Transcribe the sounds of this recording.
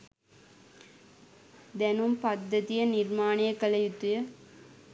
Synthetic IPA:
d̪ɛnumpɐd̪ːɐt̪ijɐnirmaːnijɐkɐlɐjut̪ːujɐ

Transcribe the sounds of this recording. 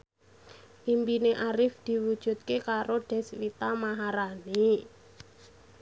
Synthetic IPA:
ʔimpineʔaɾɪfd̪̥i̤wud̥ʒ̥ṳt̪̚kekaɾoɖ̥ɛ̤swit̪amaɦaɾani

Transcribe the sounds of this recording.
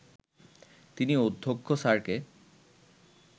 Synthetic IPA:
t̪iniod̪ʱːokʰːosaɾke

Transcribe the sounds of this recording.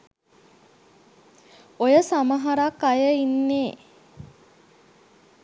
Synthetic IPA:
ojəsaməɦaɾakːajəinːeː

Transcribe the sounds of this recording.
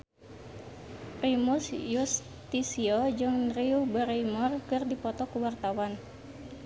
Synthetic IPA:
primusjus | t̪isiɔd͡ʒɨŋnriubəɾeimɔrkɨrdipɔt̪ɔkuwart̪awan

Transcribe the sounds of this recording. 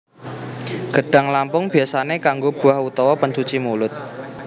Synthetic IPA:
ɡ̥ə̤ɖ̥a̤ŋlampʊŋb̥i̤asanekaŋɡob̥ṳahut̪ɔwɔpəɲt͡ʃut͡ʃimulʊt̪̚

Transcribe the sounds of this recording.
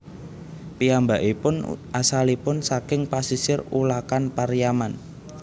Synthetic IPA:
piambaʔipʊnʔasalipʊnsakɪŋpasisɪrulakanpaɾijaman

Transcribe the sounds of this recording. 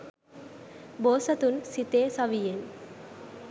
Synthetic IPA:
boːsɐt̪unsit̪eːsɐʋijen

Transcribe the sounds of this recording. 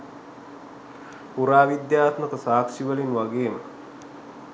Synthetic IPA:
puɾaːʋid̪jaːt̪mək̪əsaːkʃiʋəlinʋaɡeːmə

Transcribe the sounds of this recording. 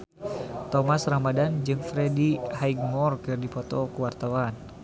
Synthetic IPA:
t̪ɔmasrambadand͡ʒɨŋfɾɛdihaiɡ̚mɔrkɨrdipɔt̪ɔkuwart̪awan

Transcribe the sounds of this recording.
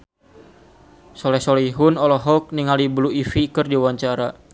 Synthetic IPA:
sɔlɛhsɔliɦunɔlɔɦɔk̚niŋalibluifikɨrdiwaɲt͡ʃaɾa

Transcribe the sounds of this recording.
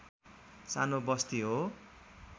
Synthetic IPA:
sanobʌst̪iɦo

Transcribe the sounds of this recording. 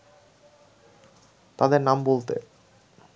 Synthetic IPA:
t̪ad̪eɾnambolt̪ḛ

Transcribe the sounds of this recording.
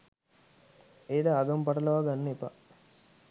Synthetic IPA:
eːɖaːɡɐmpɐʈɐlɐʋaːɡanːəepa

